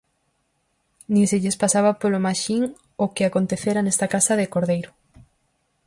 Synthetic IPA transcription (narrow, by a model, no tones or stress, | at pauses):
nĩŋseʎespasaβapolomaʃiŋ | okɪakont̪eθeɾanest̪akasɐðekoɾðejɾʊ